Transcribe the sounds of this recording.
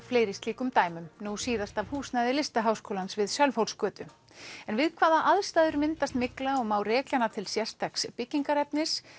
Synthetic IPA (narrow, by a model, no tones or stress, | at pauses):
fleːjɾɪst̪liːkʏmt̪aːjmʏmnusiːðast̪avhuːsnajðɪlɪst̪aɦawskoːwlansvɪðsjœlfowlskœːt̪ʏ | ɛnvɪðkʰvaːðaʔaðst̪aːðʏɾmɪnt̪ast̪mɪklaɔɣmaːwrɛːklanat̪ʰɪlsjɛr̥st̪ʰakspɪciŋkaɾɛpnɪs